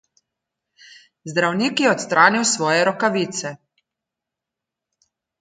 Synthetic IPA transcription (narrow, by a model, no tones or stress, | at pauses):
zd̪ɾawniːkjɛɔt̪st̪ɾaːniwsʋɔːjɛɾɔkaʋiːt̪sɛ